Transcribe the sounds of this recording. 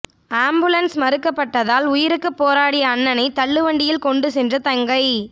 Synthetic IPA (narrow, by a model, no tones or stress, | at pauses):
aːmbɯlɐnsmɐɾɯkːɐpːɐʈːɐðaːlʊjɪɾɯkːɯpːoːɾaːɽɪjɐːnːɐnɐɪt̪ɐɭːɯʋɐɳɖɪjɪlkɔɳɖɯsɛndrɐt̪ɐŋɡɐɪ